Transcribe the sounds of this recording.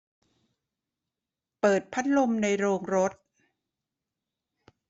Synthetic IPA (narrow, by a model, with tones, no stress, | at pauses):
pɤː˨˩t̪̚pʰa˦˥t̪̚lo˧mna˧jɾoː˧ŋɾo˦˥t̪̚